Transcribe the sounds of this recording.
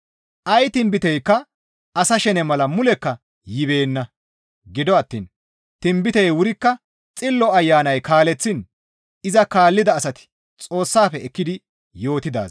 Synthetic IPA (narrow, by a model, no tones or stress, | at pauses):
ʔɐjt̪ɪmbɪt̪ɛjkːɐ | ɐsɐʃɛnɛmɐlɐmʊlɛkːɐ | jɪβe̞ːnːɐ | ɡɪd̪ɔɐt̪ːḭːn | t̪ɪmbɪt̪ɛjwʊɾɪkːɐ | t͡sʼɪlːɔɐjːaːnɐjkaːlɛt͡sːɪn | ɪzɐkaːlːɪd̪ɐːsɐt̪ɪ̥ | t͡sʼo̞ːsːaːfɛɛkːɪd̪ɪ | jo̞ːt̪ɪd̪a̰ːz